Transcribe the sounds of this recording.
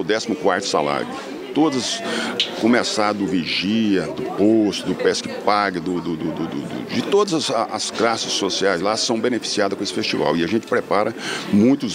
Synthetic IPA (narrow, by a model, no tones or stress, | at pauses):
wd̪ɛsimʊkwaɾt̪ʊ̥sa̰la̰ɾjʊ | t̪od̪ɐzɐskõmesad̪ʊviʒiɐd̪ʊpost̪ʊd̪ʊpɛskɪpaɡɐd̪ʊd̪ʊd̪ʊd̪ʊd̪ʊd̪ʊ̰d͡ʒɪt̪od̪ɐzɐsʔɐsklasɪssosiajzlasɐ̃w̃bẽnefi̥siad̪ɐskõesɪ̥fest͡ʃiva̰wɪɐʒẽnt͡ʃɪ̥pɾepaɾɐmũj̃t̪ʊz